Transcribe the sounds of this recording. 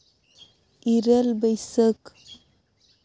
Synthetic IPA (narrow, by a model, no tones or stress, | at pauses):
iɾəlbəjsək